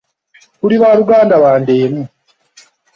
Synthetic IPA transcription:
kuɾiβaɾuɡaːndaβaːndeːmu

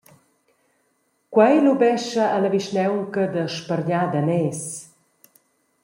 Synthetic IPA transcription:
kwajlubɛʃəʔːləviʃnɛwŋkəd̪əʃpəɾɲaːd̪anɛːs

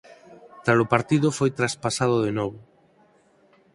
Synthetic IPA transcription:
t̪alʊpaɾt̪iðʊfojt̪ɾaspasað̞oð̞enɔβʊ

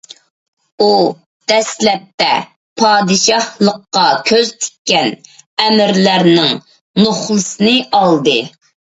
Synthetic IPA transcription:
u | d̪̥ɛslɛp̚t̪ɛ̰ | pʰɑːd̪ɨʃɑhlˠəqːɑkʲʰøz̥t̪ʰe̥kʲːɛnɛmɪɾlæɾnɪŋ | noχlˠɨsɨnɨʔɑlˠd̪ɨ

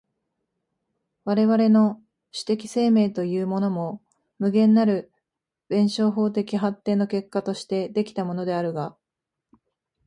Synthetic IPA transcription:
βaɾe̞βaɾe̞no̞ | ɕɨ̥t̪e̞kʲi̥se̞ːme̞ːt̪o̞jɯːmo̞no̞mo̞ | mɯ̟ɡẽ̞nːaɾɯ̟ | bẽ̞ɰ̃ɕo̞ːɦo̞ːt̪̬e̞kʲiɦat̪ːe̞ːno̞ke̞kːat̪o̞ɕi̥t̪e̞d̪e̞kʲi̥t̪amo̞no̞d̪e̞aɾɯ̟ɡa

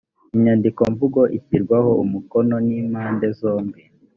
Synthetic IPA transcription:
iɲandiko̞ɱvuɡo̞ʔipiɾɡwaho̞umukono̞niːmaːnde̞zo̞ːmbi

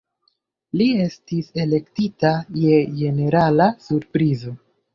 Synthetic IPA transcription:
lie̞stise̞le̞ktitaje̞d͡ʒe̞ne̞ɾalasuɾpɾizo̞

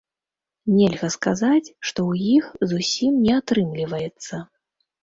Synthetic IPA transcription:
nʲɛlʲɣɐskazat͡sʲʂt̪ɔwjixzusʲimnʲɛat̪ɾɨmlʲivɐjɛt̪sːɐ

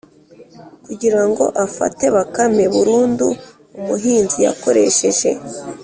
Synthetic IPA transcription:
kuɟiɾaŋɡo̞̰ʔafa̰te̞βakame̞βuɾuːndṵ | umuɦiːnzija̰ko̞ɾe̞̰ʃe̞ʒe̞̰

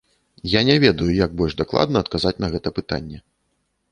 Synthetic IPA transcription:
janʲɛvʲɛd̪ɐjujaɡ̚bɔlʲʐd̪aklˠa̰d̪nɐːt̪̚kazat͡sʲnɐɣɛt̪ɐpɨt̪a̰nʲːɛ

